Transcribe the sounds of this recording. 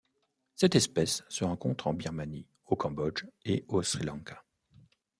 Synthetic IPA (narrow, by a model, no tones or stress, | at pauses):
sɛt̪ɛspɛsːəʁɑ̃kɔ̃t̪χɑ̃biʁmani | okɑ̃bɔd͡ʒeosχilɑ̃kḁ